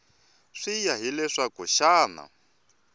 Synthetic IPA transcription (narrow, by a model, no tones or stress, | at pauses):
ʂijaɦilɛʂakɔʃaːna̰